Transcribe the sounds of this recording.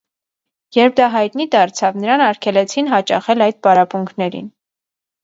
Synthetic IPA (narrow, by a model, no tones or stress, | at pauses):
jɛɾp̚ʰd̪ɑɦɑjt̪nid̪ɑɾt͡sʰɑvnəɾɑnɑɾkʰɛlɛt͡sʰinɦɑt͡ʃɑ̰χɛlɑjd̪̚pɑɾɑpuŋkʰnɛɾḭn